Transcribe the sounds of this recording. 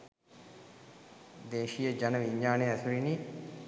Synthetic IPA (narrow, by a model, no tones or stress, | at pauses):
d̪eːʃijəd͡ʒanəʋiɲːaːneæsuɾini